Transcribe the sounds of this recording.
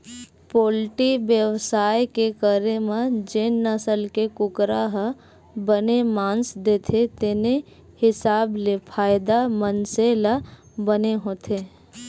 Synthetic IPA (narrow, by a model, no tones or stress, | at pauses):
poːlʈibjəwsaːjkekəɾemãd͡ʒenːəsəlkekʊkɾaɦə | bənemãːnsd̪eːt̪ʰet̪ene | hɪsaːblepʰaːɪd̪amənseːla | bəneɦoːt̪ʰeː